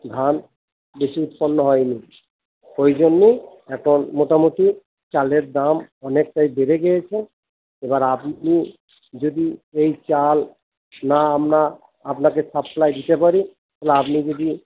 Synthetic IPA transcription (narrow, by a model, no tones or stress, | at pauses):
d̪ʱan | beʃiut̪̚pɔnːɔɦɔjni | ojd͡ʑonːe | ɛkʰonmoʈamut̪i | t͡ɕaleɾd̪amɔnek̚ʈajbeɾeɡɛjet͡ɕʰen | ebaɾapni | d͡ʑod̪iejt͡ɕal | naamɾa | apnakesaplajd̪it̪epaɾi | t̪ʰɛleapnid͡ʑod̪i